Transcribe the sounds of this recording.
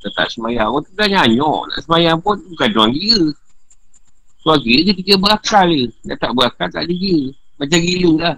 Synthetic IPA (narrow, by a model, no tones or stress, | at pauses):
t̪ət̪a̰ʔsəmajaŋɔt̪uəlaɲaɲɔ̰ʔna̰ʔsəmajaŋpʊnukaduaŋɡiə | suaɡikəpikəbəakaləda̰ʔt̪aʔbəɣakalt̪a̰ʔdiɡiəmat͡ʃaŋɡilulah